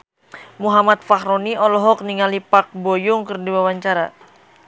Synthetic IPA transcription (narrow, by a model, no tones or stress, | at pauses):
muɦamat̪̚fahɾoniɔlɔɦɔk̚niŋalipak̚bojʊŋkɨrdiwawaɲt͡ʃaɾa̰